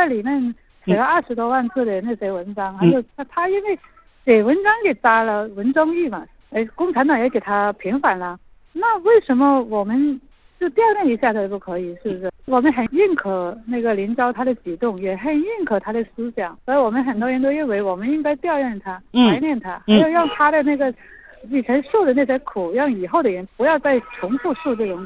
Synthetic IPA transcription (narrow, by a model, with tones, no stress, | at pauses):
t͡sa˥˩ɪli˨˩mjɛ˥˩n | t͡sʰa˨˩lɑ˥˧ɐ˞˥˩ʂɻ̩˧˥t̪wɔ˥wa˥˧nt͡sʰɹ̩˥˩d̪ə˩na˥˩se˥ɪwə˧˥nʈ͡ʂɑ˥ŋxa˧˥ɪjo˨˩ʊa˥˩t̪ʰa˥i˥nwe˥˩ɪ | ke˨˩ɪwə˧˥nʈ͡ʂɑ˥ŋke˨˩ɪt͡sa˥lə˨wə˧˥nʈ͡ʂɑ˥ŋy˥˩mɐ˩ | e˥ɪkʊ˥˩ŋʈ͡ʂʰa˧˥nt̪̬ɑ˨˩ŋjɛ˧˥ke˨˩ɪt̪ʰa˥pʰi˧˥ŋfa˨˩˦nlə˦ | na˥˩we˥˩ɪʂə˧˥nmə˧wɔ˨˩mə˦n | t͡ɕjo˥˧ʊt̪jɑ˥˧ʊɻɛ˥˩ni˧˥ɕja˥˩tə˧˩p̬u˥˩kʰɤ˧˥i˨˩ʂɻ̩˥˩bə˩ʂɻ̩˥˩wɔ˨˩mə˦nxə˨˩ni˥˩nkʰɤ˨˩na˥˩ɡə˩li˧˥nʈ͡ʂɑ˥ʊt̪ʰa˥ɾə˨t͡ɕi˨˩t̪ʊ˥˧ŋjɛ˨˩xə˨˩ni˥˩nkʰɤ˨˩t̪ʰa˥d̪ə˨s̩˥ɕjɑ˨˩˦ŋə˧˥˧wɔ˨˩mə˦nxə˨˩nt̪wɔ˥ɻɛ˧˥nt̪o˥ʊi˥˩nwe˧˥ɪwɔ˨˩mə˦ni˥ŋka˥ɪt̪jɑ˥˧ʊɻɛ˥˩nt̪ʰa˥a˧˥ɪljɛ˥˩nt̪ʰa˥xaa˧˥ɪjo˨˩ʊɻɑ˥˩ŋt̪ʰa˥ɾə˨na˥˩ɡə˩li˨˩ʈ͡ʂʰə˧˥nʂo˥˩ʊd̪ə˩na˥˩ɕ̬jɛ˥kʰu˨˩jɑ˥˩ŋi˨˩xo˥˩ʊd̪ə˩ɻɛ˧˥npu˧˥jɑ˥˧ʊt͡sa˥˩ɪʈ͡ʂʰʊ˧˥ŋfu˥˧ʂu˥˧ʈ͡ʂɤ˥˩ʈ͡ʂʊ˨˩˦ŋ